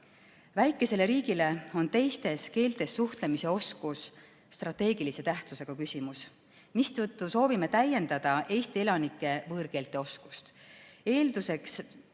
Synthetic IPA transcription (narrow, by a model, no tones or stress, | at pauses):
væjkːˑe̞se̞le̞ɾiːɡ̥ile̞o̞nt̪e̞jst̪e̞ske̞ːlt̪e̞sːuht̪le̞mise̞o̞skusː | t̪rɑt̪ːe̞ːɡ̥ilise̞t̪æht̪suse̞ɡ̥ɑkysʲimus | mist̪ɤt̪ˑːuso̞ːvime̞t̪æje̞nd̪̥ɑd̪̥ɑʔe̞jst̪ielɑnikːˑe̞vɤːɾke̞ːlt̪ːˑe̞o̞sku̥st̪e̞ːld̪use̞ks